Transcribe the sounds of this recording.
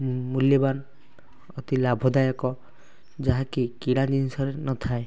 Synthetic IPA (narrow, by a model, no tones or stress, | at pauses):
muljɔban | ɔt̪ilabʱɔd̪ajɔkɔ | d͡ʒaɦakikiɽ̃ad͡ʒinsɔɾenɔt̪ʰae